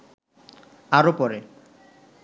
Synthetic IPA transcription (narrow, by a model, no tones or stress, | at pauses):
aɾopɔɾe